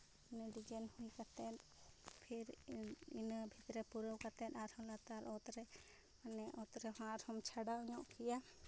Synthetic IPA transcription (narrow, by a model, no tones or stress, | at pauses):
nɛɖid͡ʒɛnhujkat̪ɛnpʰiɾinabʱit̪ɾɛpuɾəwkat̪ɛ̃t̪aɾhɔlat̪aɾɔt̪ɾɛ | anɛʔɔt̪ɾɛɦãɾhɔmt͡ʃʰaɽaɔɲɔʔkija